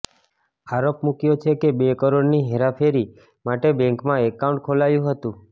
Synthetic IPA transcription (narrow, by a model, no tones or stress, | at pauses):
aɾopmukjot͡ʃʰekebekəɾoɽniɦeɾapʰeɾi | maʈebɛ̃ŋkmãekːaũɳʈ̚kʰolajũɦət̪ũ